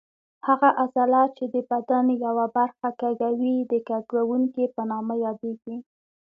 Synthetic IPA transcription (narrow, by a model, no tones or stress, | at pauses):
haɣaʔazalɑt͡ʃed̪əbad̪anjawabaɾxakaɡawid̪əkaɡawuŋkipənɑmajɑd̪eɡi